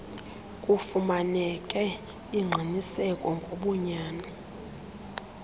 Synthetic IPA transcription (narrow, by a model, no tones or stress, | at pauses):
kʼufumanɛkʼɛ | iŋ͡ǃʱinisɛkʼɔŋɡʱoɓuɲaːna